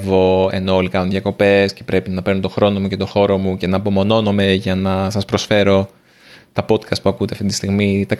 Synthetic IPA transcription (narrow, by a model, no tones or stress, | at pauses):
vo̞e̞̰no̞olikɐnunðjɐko̞pe̞sce̞pɾʔe̞pinɐpe̞ɾno̞t̪o̞xɾo̞no̞muce̞t̪o̞xo̞ɾo̞muce̞nɐːpo̞mo̞no̞nome̞ʝɐnɐsɐspɾosfe̞ɾo̞ | t̪ɐpo̞t̪kɐst̪̚puɐkut̪e̞ɐft̪it̪ist̪iɣmit̪ɐ